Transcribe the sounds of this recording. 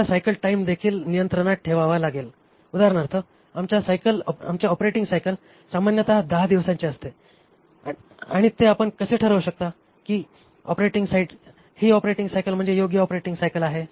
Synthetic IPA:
asajkəlʈaimd̪ekʰiːlnijənt̪ɾəɽ̃at̪̚ʈʰeʋaʋalaɡel | ud̪aɾɳaɾt̪ʰə | amt͡ɕjasajkəla̰mt͡ɕjaɔpɾeʈiŋɡsajkəl | samanjət̪əɦad̪əɦad̪iʋsãɲt͡ɕeəst̪e | aɽ̃it̪eapəɳkəseʈʰəɾəʋɕək̚t̪a | kiː | ɔpɾeʈiŋɡsaiʈ | hiːɔpɾeʈiŋɡsajkəlm̤əɳd͡zejoɡjəɔpɾeʈĩŋɡsajkəlaɦe

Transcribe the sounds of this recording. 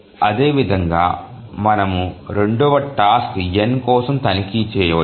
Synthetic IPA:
ɐd̪e̞ːʋid̪ʱɐŋɡa̰ː | mɐnɐmuɾe̞ɳɖɔʋɐʈːaːskjenkɔːsɐmt̪ɐnikiːt͡ʃɛːjɐʋɐ

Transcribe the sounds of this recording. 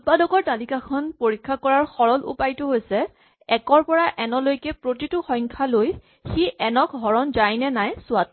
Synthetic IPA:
tpadɔkɔɹtalikakʰɔnpoɹikʰːakɔɹaɹxɔɹɔlṵpajtʊɦojsɛ | ɛkɔɹpɔɹaʔɛnɔlojkɛpɹotitʊxɔjŋkʰaloj | xiʔɛnɔk̚ɦɔɹɔnzajnɛnajsʊat

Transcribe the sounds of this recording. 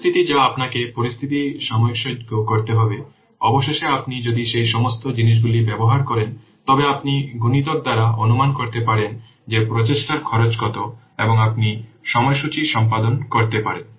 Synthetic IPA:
t̪ʰit̪id͡ʑaapnakepoɾist̪ʰit̪̬iʃamookʃod͡ʑɡokoɾt̪eɦɔbe | ɔboʃeʃeapnid͡ʑod̪iʃejʃɔmost̪od͡ʑiniʃ̬ɡulibɛboɦaɾkɔɾen | t̪ɔbeapniɡunit̪ok̚d̪aɾaʔonumankoɾt̪epaɾen | d͡ʑepɾot̪eʃʈaɾkʰɔɾot͡ɕɡɔt̪o | eboŋapniʃɔmɔeʃut͡ɕiʃɔmpad̪onkoɾt̪epaɾen

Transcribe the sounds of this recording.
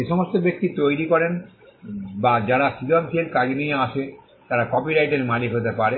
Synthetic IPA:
eʃɔmost̪obek̚t̪it̪ojɾikɔɾen | bad͡ʑaɾasiɡʱont̪ʰielkad͡ʑenijeaʃe | t̪aɾakɔpiɾajʈeɾmaliɦot̪epaɾe

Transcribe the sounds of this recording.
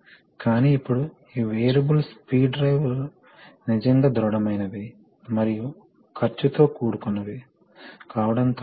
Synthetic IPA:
kaːniːpːuɽu | iːʋeːjɾɐbulspiːɖɾɐjʋ | nid͡ʒɐŋɡaːd̪ɾɔɽɐmɐjnɐʋi | mɐɾiju | kʰɐɾt͡ʃːut̪o̞ːkuːɽukunːɐʋi | kaːʋɐɽɐnt̪ː

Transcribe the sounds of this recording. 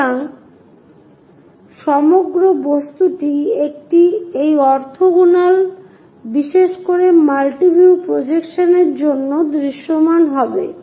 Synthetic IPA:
aŋ | ʃɔmoɡɾobost̪uʈiek̚ʈiejɔɾt̪ʰoɡunal | biʃeʃkoɾemalʈibʱiupɾod͡ʑekʃoneɾd͡ʑonːod̪ɾiʃːomanɦɔbe

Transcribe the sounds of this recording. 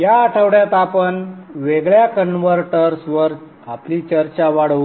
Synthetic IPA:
jaːʈʰəʋɽjat̪apəɳʋeɡɭjakəɳʋəɾʈəɾsʋəɾ | apliːt͡ɕəɾt͡ɕaʋaɽəʋ

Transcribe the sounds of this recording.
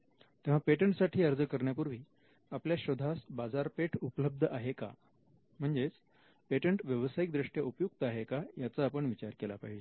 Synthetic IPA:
t̪ẽʋ̤apeʈəɳʈsaʈʰiːəɾd͡zəkəɾɳjapuɾʋiː | apljaɕod̪ʱasbad͡zaɾpeʈʰupləb̚d̪ʱəʔaɦeka̰ | m̤əɳd͡zet͡s | peʈəɳʈʋjəʋəsajik̚d̪ɾiʂʈjaupjuk̚t̪əaɦekajat͡saːpəɳʋit͡ɕaɾkela̰pa̰ɦid͡ʑe

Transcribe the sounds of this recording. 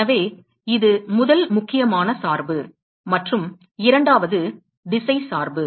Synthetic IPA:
ɐʋeː | ɪðɯmʊðɐlmʊkːɪjɐmaːnɐsaːɾbɯ | mɐʈrɯm | ɪɾɐɳɖaːʋɐðɯ | ɖɪsɐɪsaːɾbɯ

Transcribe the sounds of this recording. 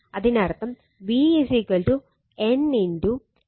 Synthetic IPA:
ɐd̪inɐɾt̪ɐm | ʋisikɐlʈu | eniɳɖu

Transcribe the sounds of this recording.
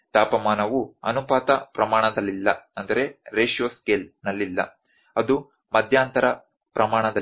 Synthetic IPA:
t̪aːpɐmaːnɐʋuɐ̰nupaːt̪ɐpɾɐmaːɳɐd̪ɐlːilːɐ̰ɐnd̪ɐɾe̞ɾeːʂjoːskeːlnɐlːilːɐ̰ | ɐd̪u | mɐd̪ʱjaːnt̪ɐɾɐ | pɾɐmaːɳɐd̪ɐ

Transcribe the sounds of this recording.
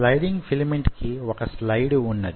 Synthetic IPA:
lɐjɖiŋɡfʰilmeɳʈkiɔkɐslɐjɽunːɐd̪i

